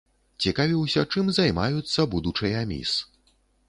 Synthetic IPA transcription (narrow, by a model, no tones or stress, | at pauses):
t͡sʲikavʲiwsʲɐt͡ʂɨmzajmajut̪sːɐbud̪ut͡ʂɨjamʲḭs